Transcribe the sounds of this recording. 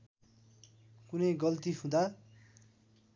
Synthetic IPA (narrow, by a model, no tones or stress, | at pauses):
kunʌjɡʌlt̪iɦũd̪a